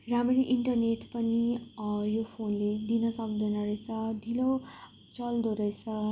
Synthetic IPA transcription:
rameɾiʔiɳʈʌrneʈpʌnijopʰonled̪inʌsʌk̚d̪ʌnʌɾʌjt͡sʰʌd̪ʱilo | t͡sʌld̪oɾʌjt͡sʰʌ

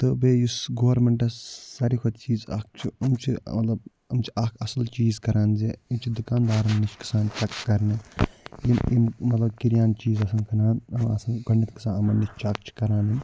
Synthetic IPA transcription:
t̪ɨbeːjusɡoːɾmeɳʈɐsːɐɾikʰɐt̪t͡ʃiːza̰ːk̚t͡ʃʰiɐmt͡ʃʰimɐt̪lɐb | ɐmt͡ʃʰiɐkʰɐsɐlt͡ʃiːzkɐɾaːnzeimt͡ʃʰid̪ukaːnd̪aːɾɐnːit͡ʃʰkɐ̥saːnt͡ʃɐkːɐɾnijimimmɐt̪lɐbkiɾjaːnt͡ʃiːzɐsɐnkɐnaːnɐmɐsɐnɡɐɳːɐt̪ki̥saːnɐmɐnnːit͡ʃʰt͡ʃɐk̚t͡ʃʰi̥kɐɾaːnin

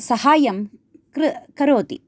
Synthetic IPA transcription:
sɐhaːjɐm | ɾkɐɾoːt̪ḭ

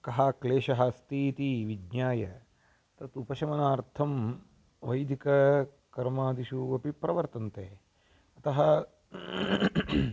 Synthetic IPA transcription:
kɐɦaːkleːʃɐɦɐst̪iːt̪iʋidɲaːjɐ | t̪ɐt̪upɐʃɐmɐnaːɾt̪ʰɐm | ʋɐjd̪ʱikɐ | kɐɾmaːd̪iʃuʋɐpipɾɐʋɐɾt̪ɐnt̪eː | ɐt̪ɐɦɐ

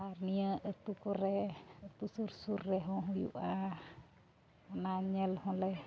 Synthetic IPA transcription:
arniəʔət̪ukoɾeət̪usursurːɛɦɔɦujṵʔa | onaɲəlhɔlɛ

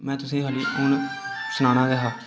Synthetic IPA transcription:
mɛ̃ːt̪ʊsĩːɦaːliːʊnsʊnaːnãːɡɛɦaː

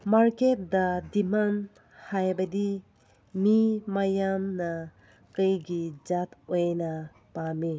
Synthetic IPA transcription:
maɾket̚dadiman | hajbɐdi | mimajamnɐ | kɯjɡid͡ʒatojnɐ | pami

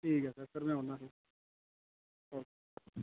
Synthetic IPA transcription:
ʈʰiːkɦɛːsəɾsəɾmɛ̃ːɦoːnd̪aːsi | ɔː

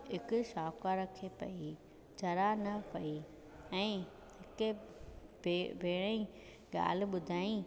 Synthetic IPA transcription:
ɦɪkʊ̆ʃaːkaɾɐkʰepɐ̰i | d͡ʑɐɾanɐpɐi | ɛ̃ː | ɦɪkebebʱeːɽ̃ei | ɠa̰ːl̤ɪ̆ɓʊd̪ʱaːĩ

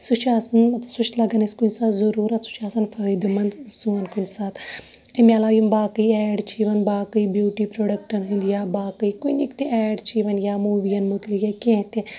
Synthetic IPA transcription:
sut͡ʃʰaːsɐnmɐt̪sut͡ʃ̪ʰlɐɡɐniskunsaːt̪zɐɾuːɾɐt̪su̥t͡ʃʰaːsɐnfəːjd̪umɐnd̪suːɐnkunsaːt̪ | emʲaːlaːjumbaːkəiɛːɖt͡ʃʰiːʋɐnbaːkɐibjuːʈiːpɾoːɖɐk̚ʈɐnɦĩnd̪jaːbaːkəikunikt̪eɛːɖt͡ʃʰiʋɐnjaːmuːʋijɐnmut̪lijɐkẽt̪ẽ

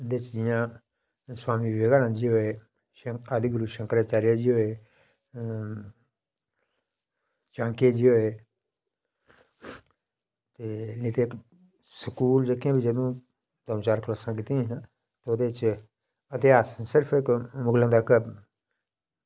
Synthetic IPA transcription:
ʊnd̪eːt͡ʃd͡ʒɪjãː | swaːmiːʋeɡaːnãːd͡ʒiːɦoeː | ʃəad̪iɡɾuːʃə̃ŋkəɾaːt͡ʃaːɾjaːd͡ʒiːɦoːeː | t͡ʃãːŋkeːd͡ʒiːɦoːeː | t̪eːnĩːt̪eːk | səkuːld͡ʒeːkːãːbid͡ʒəd̪õː | d̪əmt͡ʃaːɾklaːsãːk̬ɪt̪ĩɦãː | t̪eʊd̪eːt͡ʃ | ət̪eaːssɪɾpʰɪkmʊɡlãːd̪aːkəb

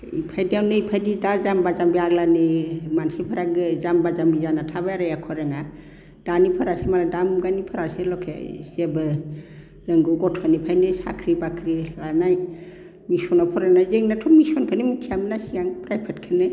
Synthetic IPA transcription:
ḭpʰajdiawnɯipʰajdidazambazambiaɾlanɯmansipʰɯɾaɡɯzambazambizanatʰabaɾajakʰɔɾeŋa | d̥anipʰɯɾasemaladamɡanipʰɯɾaselɔkʰḛz̥ebɯ | ɾɯŋɡɔɡɔtʰanipʰajnɯsa̰kʰɾibakʰɾilanaj | misɔnɔpʰɔɾanajzeŋnatʰɔmisɔnkʰɯnɯmikʰiamnasijaŋpɾajpʰatkʰɯnɯ

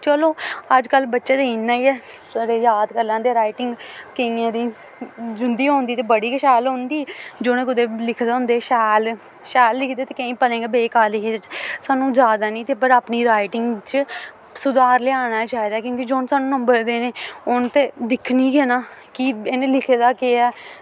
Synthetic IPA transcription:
t͡ʃəloːəd͡ʒkəlbətːʃaːd̪einːaːiːɛː | səɾeːjaːd̪kəlːãːd̪eːɾaːɪʈɪŋɡkəĩãːd̪iː | d͡ʒʊnd̪iːɦõːnd̪iːt̪eːbəɽiːkəʃɛːlɦõːnd̪iːd͡ʒoːñẽːkʊd̪eːlɪkʰd̪eːʊ̃ːnd̪eːʃɛːl | ʃɛːlːɪkʰd̪eːt̪eːkẽĩːpəlẽːŋɡeːbeːkaːɾlɪkʰed̪et͡ʃsaːnũːzjaːd̪aːnĩːt̪eːpəɾaːpniːɾaːɪʈɪŋɡt͡ʃə | sʊd̪aːɾlɪaːñaːt͡ʃaːiːd̪aːkjõːkiːd͡ʒoːnsaːnũːnəmbəɾd̪eːneːʊnt̪eːd̪ɪkʰniːɡeːnaːkienːlɪkʰːd̪aːkeːɛː

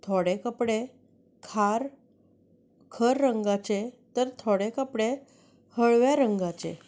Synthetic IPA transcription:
t̪ʰoɽekəpɽe | kʰaɾ | kʰəɾːəŋɡat͡ɕet̪əɾt̪ʰoɽekəpɽe | həɭʋjaɾəŋɡat͡ɕḛ

